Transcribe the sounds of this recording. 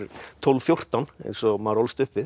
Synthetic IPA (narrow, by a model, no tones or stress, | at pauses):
ɾt̪ʰɔlvfjowr̥t̪anḛjnsɔmaɾɔlst̪ʏhpvɪð